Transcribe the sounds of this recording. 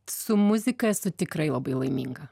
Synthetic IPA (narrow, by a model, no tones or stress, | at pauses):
sʊmʊzʲɪkɐɛsʊt̪ʲɪkɾɐɪlˠɐbɐɪlˠɐɪmʲḭŋɡɐ